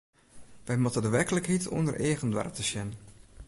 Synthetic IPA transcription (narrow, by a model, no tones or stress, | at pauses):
ʋɛjmɔtədəʋɛkələkhitʰɔ̰ndərʔeːɣəndʋa̰rtəsjɛn